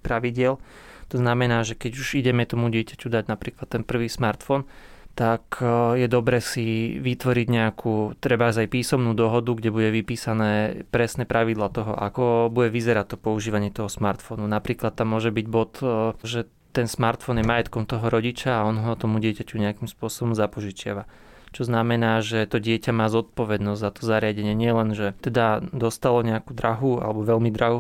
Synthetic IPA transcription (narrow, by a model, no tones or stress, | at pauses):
pɾaʋiɟɪɛlt̪ɔznamɛnaːʒɛkɛɟuʒiɟɛmɛt̪ɔmuɟɪɛcacud̪aɟnapɾiːklat̪ːɛnpr̩ʋiːsmaɾt̪fɔnt̪akjɛd̪ɔbɾɛːsiʋit̪ʋɔɾiɟɲɛakʰuːt̪ɾɛbazajpiːsɔmnuːd̪ɔɦɔd̪uɡɟɛbuɟɛʋipiːsanɛːpɾɛsnɛpɾaʋid̪lat̪ɔɦɔ̰ʔa̰kɔbuɟɛʋizɛɾat̚t̪ːɔpɔuʒiːʋaɲɪɛt̪ɔɦɔsmaɾt̪fɔnunapɾiːklat̪ːamːʊɔʒɛbiɟbɔt̪ʒɛ | t̪ɛnsmaɾt̪fɔnjɛmajɛt̪kɔmt̪ɔɦɔɾɔɟit͡ʃaːɔnɦɔt̪ɔmuɟɪɛcacuɲɛakimspʊɔsɔbɔmzapɔʒit͡ʃɪa̰ʋa | t͡ʃɔznamɛnaːʒɛt̪ɔɟɪɛcamaːzɔt̪̚pɔʋɛd̪nɔzʲzat̪ɔzaɾɪaɟɛɲɪɛɲɪɛlɛnʒɛt̪ɛd̪ad̪ɔst̪alɔɲɛakud̪ɾaɦua̰lɛbɔʋɛlmid̪ɾaɦu